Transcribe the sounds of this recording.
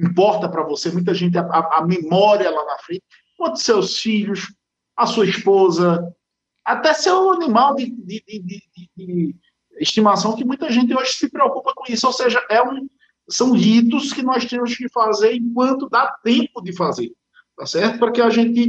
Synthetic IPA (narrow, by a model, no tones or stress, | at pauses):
ĩpɔɾt̪ɐpɾɐvosemũj̃t̪̬ɐʒẽnt̪̬ɪaaamẽmɔɾiɐlanɐfɾẽnt̪ɪ̥ | kõt̪ʊ̥sewʊsfiʎʊs | ɐsuɐispozɐ | at̪ɛseɾũɐnĩmawd̪ɪd̪ɪd̪ɪd̪ɪd̪ɪd̪ɪ | iʃt̪imasɐ̃w̃kɪmũj̃t̪ɐʒẽnt̪̬ɪoʒɪsɪpɾeokupɐkõisʊowseʒɐʔɛũ | sɐ̃w̃hit̪ʊskɪnɔst̪ẽmʊskɪfazeɾẽkwɐ̃nt̪ʊd̪at̪ẽpʊd̪ɪfazeɾ | t̪asɛɾt̪ʊpʊɾkeaʒẽnt̪̬ɪ